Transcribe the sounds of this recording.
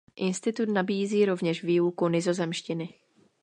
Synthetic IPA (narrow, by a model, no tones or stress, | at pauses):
ʔɪnst̪ɪt̪ut̪nabiːziːɾo̞vɲɛʃviːukunɪzo̞zɛmʃcɪnɪ